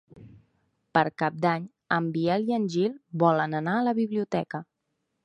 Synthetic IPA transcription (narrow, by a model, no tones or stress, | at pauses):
pəɾkap̚d̪aɲ | əmbiɛliənʲʒilˠbɔlənənaələβiβliut̪ɛkə